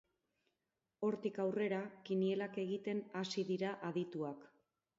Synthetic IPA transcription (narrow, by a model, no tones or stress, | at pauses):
o̞ɾt̪ikawre̞ɾakinie̞lake̞ɣ̞it̪e̞nasiðiɾaʔaðit̪uak